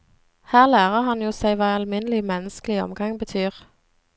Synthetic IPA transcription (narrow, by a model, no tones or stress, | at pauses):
hæːʁlæːʁəhɑnjuːsæɪʋɑːɑlmɪnəlɪmɛnəskəlɪɔ̰mɡɑŋbət̪ʰyːʁ